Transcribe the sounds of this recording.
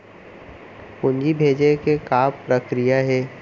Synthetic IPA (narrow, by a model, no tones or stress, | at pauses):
pʊɲd͡ʒibʱeːd͡ʒekekaːppɾəkɾijaɦɛː